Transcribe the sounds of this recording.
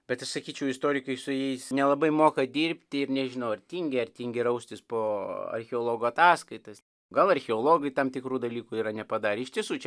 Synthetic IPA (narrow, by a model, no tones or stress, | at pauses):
bʲɛt̪ɐʃsɐkʲiːt͡ʃʲɛʊɪst̪oːɾʲɪkɐɪsʊjɛɪsnʲɛlˠɐbɐɪmoːkɐd̪ʲiːrʲpʲt̪ʲɪɪɾnʲɛʒʲɪnɐʊɐrʲt̪ʲiːŋʲɡʲɪɐɾʲt̪ʲiːŋʲɡʲɪɾɐʊsʲt̪ʲɪspoːɐ̰rʲxʲɛoːlˠoːɡoːɐt̪ɑːskɐɪt̪ɐs | ɡɐlˠɐrʲxʲɛolˠoːɡɐɪt̪ɐmt̪ʲɪkɾuːd̪ɐlʲiːkuiːɾɐnʲɛpɐd̪ɑːɾʲɪɪʃt̪ʲiɛsuːt͡ʃʲɛ